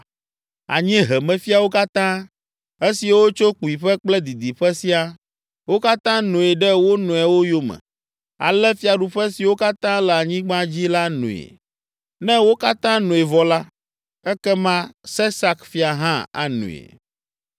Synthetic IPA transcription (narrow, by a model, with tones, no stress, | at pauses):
a̰˨ɲĩ˦ɦɛ˨mɛ̃˨fi˦a˨wo˦ka˦t̪ã˦ | e˦si˨wo˦t͡ʃo˦k͡pu˨i˨ɸɛ˦k͡plɛ˦d̪i˨d̪i˨ɸɛ˦si˦a˦ | wo˦ka˦t̪ã˦nũ˨e˨ɖɛ˦wo˦nũ˨ɛ˨wo˦jo˦mɛ̰̃˨ | a̰˨lɛ˦fi˦a˨ɖu˨ɸɛ˦si˨wo˦ka˦t̪ã˦lɛ˨a˨ɲĩ˦ɡ͡bã˦d͡ʑi˦la˦nṵ̃˨ḛ˨ | nɛ̃˦wo˦ka˦t̪ã˦nũ˨e˨vɔ˨la˦ | ɛ˦kɛ˦mã˦sɛ˦sa˦kfi˦a˨ɦã˦a̰˨nṵ̃˨ḛ˨